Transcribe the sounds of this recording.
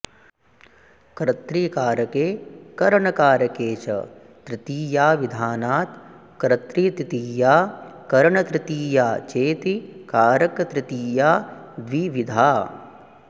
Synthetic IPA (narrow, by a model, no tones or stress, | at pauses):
kɾɐt̪ɾiːkaːɾɐkeːkɐɾɐɳɐkaːɾɐkeːt͡ʃɐ̰ | t̪ɾɪt̪iːjaːʋid̪ʱaːnaːt̪ | kɾɐt̪ɾiːt̪ɾit̪iːjaːkɐɾɐɳɐt̪ɾɪt̪iːjaːt͡ʃeːt̪ikaːɾɐkt̪ɾit̪iːjaː | d̪ʋiʋid̪ʱaː